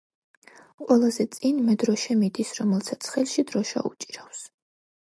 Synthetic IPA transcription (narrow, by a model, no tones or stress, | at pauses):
qʼwɛlˠazɛt̪sʼinmɛd̪ɾɔʃɛmid̪isɾɔmɛlˠsat̪sʰχɛlˠʃid̪ɾɔʃa̰ṵt͡ʃʼi̥ɾafs